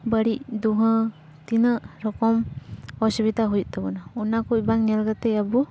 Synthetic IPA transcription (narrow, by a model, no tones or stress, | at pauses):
bəɽic̚d̪uɦə̃ | t̪inəʔɾɔkɔmɔsibit̪aɦujt̪abɔnaɔnakɔibaŋɲɛlɡat̪ɛjabɔ